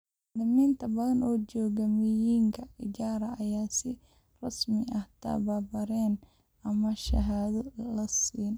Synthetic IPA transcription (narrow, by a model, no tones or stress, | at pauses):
nɪmiːnt̪ʰɐbɐðɐnɔːd͡ʒɔːɣɐmɪjiːŋkʰɐɪd͡ʒaːɾɐɐjaːsɪ | rɐsmɪʔɐht̪ʰɐ̰baːbɐɾɛːn | ɐmɐʃɐ̰ɦaːðɔlɐsiːn